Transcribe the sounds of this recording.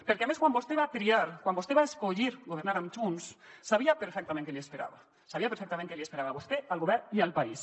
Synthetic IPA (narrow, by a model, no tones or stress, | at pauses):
peɾkeameskwamboost̪eβat̪ɾiaɾkwanbost̪eβaeskoʎiɾɡoβ̞eɾnaɾamt̪unsːaβiapeɾfek̚t̪amẽnt̪eleespeɾa̰βa | saβiapeɾfekt̪amẽnt̪elespe̞ɾaβaːβost̪ealɣoβeɾialpais